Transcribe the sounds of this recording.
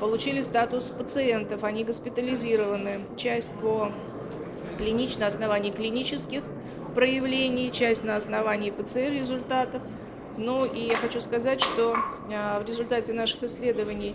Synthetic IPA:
pəlˠʊt͡ɕilʲɪst̪at̪ʊspət̪sɨe̞nt̪əfɐnʲiɡəspʲɪt̪əlʲɪzʲiɾəvənɨ | t͡ɕæsʲtʲpo | klʲɪnʲit͡ɕnəɐsnɐvanʲɪːklʲɪnʲit͡ɕɪskʲɪx | pɾəjɪvlʲenʲɪjt͡ɕæsʲtʲnəɐsnɐvanʲɪːpət̪sɨɛrɾʲɪzʊlʲt̪at̪əf | nuʔijaxɐt͡ɕuskɐzatʲʂt̪o̞ | vɾʲɪzʊlʲt̪atʲɪnaʂɨ̥xɪsʲlʲe̞d̪əvənʲɪj

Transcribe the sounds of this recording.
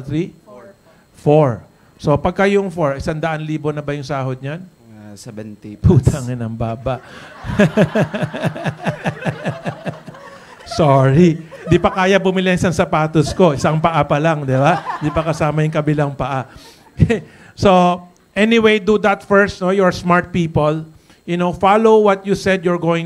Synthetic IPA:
t̪ɾi | foɹ | so̞pɐɡ̚kɐjʊŋfoɹɪsand̪ɐʔanliːbonɐbɐjʊŋsaːɦod̪̚ɲan | put̪aŋɛnɐŋbaːbɐʔ | soɹind̪ipɐkaːjɐbʊmɪleɪsansɐpaːt̪ʊsko̞ʔɪsɐŋpɐʔapɐlaŋd̪ɛband̪ipɐkɐsaːmɐjʊŋkɐbɪlaŋpɐʔa | so | ʔɛnɪwejd̪ud̪ɐt̪fɛɹst̪nojɔɹsmaɹt̪̚piːpol | jʊnofalowwɐt̪̚jusɛd̪jɔɹɡowɪ̃ŋ

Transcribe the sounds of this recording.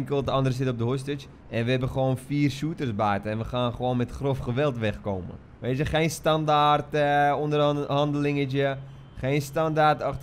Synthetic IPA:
ŋkəlˠdəɑndərəs̬ɪtɔp̚dəɦostɪt͡ʃ | ʔɛnʋəɦɛbəχəʋoːnfiːrsutərsbɛːtəɛnʋəχaːnχəʋoːnmɛtχrofχəʋɛlˠtʋɛχkoːmə̰ | ʋeːtjəχeːnstɑndaːrtəɔndəɦɑndəlɪŋət͡ʃə | χeːnstɑndaːrtɑχ

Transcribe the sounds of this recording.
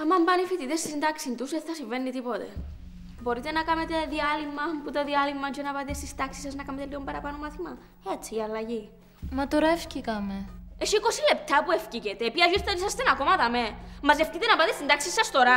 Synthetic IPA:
ɐmɐmbɐnifit̪it̪est̪isnd̪ɐksint̪uset̪θɐsiɱvenːit̪ipo̞t̪ḛ | boɾit̪e̞nɐkɐmet̪e̞ðiɐlimːɐput̪oðiɐlimːɐd͡ʒonɐpɐt̪est̪ist̪ɐksi̥sɐznɐkɐmet̪eliɣombɐɾɐpɐnomɐθimɐ | et͡sʰːiːɐlːɐʝi | mɐt̪oɾɐefcikɐmeesikosile̞p̚t̪ɐpuefcicet̪epiɐzist̪eisɐst̪enɐko̞mɐt̪ɐmemɐzeft̪it̪enɐpɐt̪est̪ind̪ɐksisːɐst̪o̞ɾɐ

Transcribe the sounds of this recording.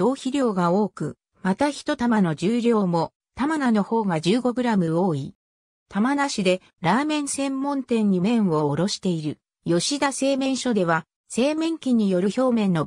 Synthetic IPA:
d̪̥o̞ːçiɾʲo̞ːɡao̞ːkɯ̟ | mat̪açi̥t̪o̞t̪amano̞d͡ʑɨːɾʲo̞ːmo̞ | t̪amanano̞ho̞ːɡad͡ʑɨːɡo̞ɡɯ̟ɾamɯ̟o̞ːi | t̪amanaɕid̪e̞ | ɾaːmẽ̞ɰ̃sẽ̞mːõ̞nt̪ẽ̞ɲ̟ːimẽ̞ɰ̃βo̞ːɾo̞ɕi̥t̪e̞iɾɯ̟ | jo̞ɕid̪ase̞ːmẽ̞ɰ̃ɕo̞d̪e̞βa | se̞ːmẽ̞ŋkʲiɲ̟ːijo̞ɾɯ̟ço̞ːmẽ̞nːo̞

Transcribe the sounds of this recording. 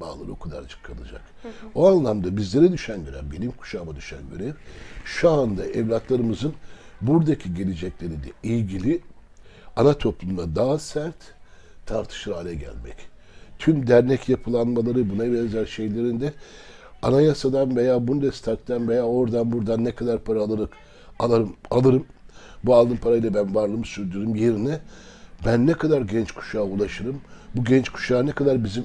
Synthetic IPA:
a̰ːlˠɯ̰ɾɯokʰad̪a̰ɾt͡ʃʰɯ̥kʰːanɯd͡ʒa̰k | oanlˠamd̪abizlʲe̞ɾɛd̪yʃænɟøɾæ̰mbenʲimkʰu̥ʃaːmad̪yʃænveɾeɾʃuand̪aʔɛvlʲat̪lˠaɾɯmɯzɯnbuɾd̪acʰiɟe̞lʲed͡ʒɛclʲe̞ɾid̪ɛ̰ijɟilʲi | anat̪ʰo̞plˠund̪ad̪aːasæɾt̪ʰː | aɾt̪ʰɯ̥ʃɾaːlʲɛɟæ̰lʲmɛ̰c | t̪ʰymd̪æɾnɛcjapʰɯlˠanmalˠaɾɯbunabɛzæɾʃe̞jlʲe̞ɾind̪ɛ | anajasad̪anve̞jaːbund̪ɛst̪ʰaɾt̚t̪ʰːanvejaːo̞ɾd̪anbuɾd̪anːɛkʰad̪aɾpʰaɾaːlˠɯɾɯk | alˠaɾɯmalˠɯɾɯmbualˠd̪ɯnpʰaɾajlˠabænvaɾlˠɯmsyɾd̪yɾymjeɾinɛ | bænːɛkʰad̪aɾɟɛnt͡ʃkʰu̥ʃaːulˠaʃɯɾɯmbuɟɛnt͡ʃkʰu̥ʃaːnɛkʰad̪aɾbizim

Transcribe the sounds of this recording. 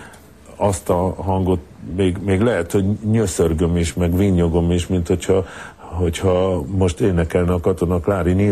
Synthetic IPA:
ɒst̪ɒɦɒŋɡo̞t̪meːɡmeːɡlɛɦɛt̪ho̞ɟɲøsørɡømiʃmɛɡviɲːo̞ɡo̞miʃmint̪ho̞chɒɦo̞chɒmo̞ʃt̪eːnɛkɛlnɛːkɒt̪o̞nɒklaːɾini

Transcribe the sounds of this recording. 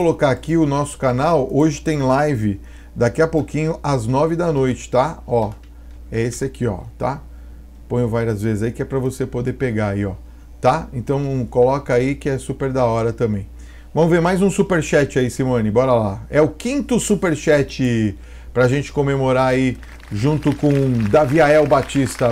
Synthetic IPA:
olokaːkiʊnɔsʊ̥kanawoʒɪt̪ẽj̃lajvɪ | d̪akiɐpokĩɲʊʔɐznɔvɪd̪ɐnojt͡ʃɪ̥t̪aɔ | ɛesɪakiɔ̰t̪a̰ | põj̃ʊvaɾiɐzvezɪzaikɪɛpɾɐvosepod̪epeɡaaiɔ | t̪aẽnt̪ɐ̃w̃kolɔkɐaikɪɛsupeɾd̪aɔɾɐt̪ɐ̃mbẽj̃ | vɐ̃mʊveɾmajzũsupeɾʃɛt͡ʃɪaisimõnɪbɔɾɐlaɛʊkĩnt̪ʊsupeɾʃɛt͡ʃɪ | pɾɐaʒẽnt͡ʃɪ̥komemoɾaai | ʒũnt̪ʊkõd̪aviaɛwbat͡ʃist̪ɐ

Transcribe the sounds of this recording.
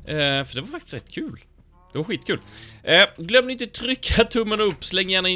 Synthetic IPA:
fœɖɛvaɾfakt̪ɪ̥stɾɛt̪ːkʰʉ̟ːl | d̪̥ɛvaɾɧiːt̪kʰʉːlʔɛɡlœmːd̪ɪɪnt̪ət̪ʰɾʏkʰːat̪ʰɵmːənɵpːslɛŋːjæːɳaɪ

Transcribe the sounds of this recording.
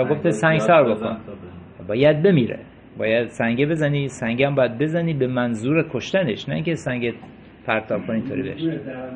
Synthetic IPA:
ɒɡo̞ft̪ʰesæŋɡsɒːɾbo̞kʰo̰n | bɒːjæd̪̚be̞miːɾḛ | bɒ̰ːjæd̪̥sæŋɡebe̞zæniːsæŋɟæmbɒːjæd̪̚be̞zæniːbemænzuːɾekʰoʃt̪æne̞̰ʃnæ̰ĩŋcesæŋɟe | pʰæɾt̪ʰɒːb̥̚kʰonint̪ʰoːɾḭbḛʃi

